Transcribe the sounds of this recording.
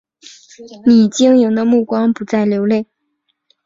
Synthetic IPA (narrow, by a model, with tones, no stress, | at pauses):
ni˨˩t͡ɕi˥ŋjʊ˧˥ŋd̪ə˧mu˥˩kwɑ˥ŋpu˨˧˥t͡sa˥˩ɪljo˧˥ʊle˥˩ɪ